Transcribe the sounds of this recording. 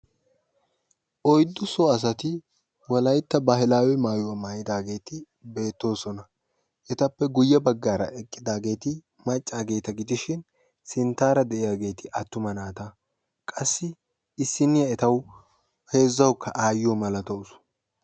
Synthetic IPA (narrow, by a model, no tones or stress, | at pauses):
ʔɔjd̪ːʊsɔɐs̬ɐt̪ɪ | wɐlɐjt̪ːɐbaːhɪlaːwɛmaːjʊwɐmaːjɪd̪aːɡe̞ːt̪ɪ | be̞ːt̪ːo̞ːsɔnɐ | ʔɛt̪ɐpːɛɡʊjːɐbɐɡːaːɾɐ̰ʔɛkʼːɪd̪aːɡe̞ːt̪ɪ | mɐt͡ʃʼːaːɡe̞ːt̪ɐɡɪd̪ɪʃɪn | sɪnt̪aːɾɐd̪ɛʔɪjaːɡe̞ːt̪ɪʔɐt̪ːʊmɐnaːt̪a | kʼɐsːɪ | ɪsːɪnːɪjɐɛt̪ɐw | he̞ːzːɐwkːɐʔaːjːɔːmɐlɐt̪ɐʊsʊ̥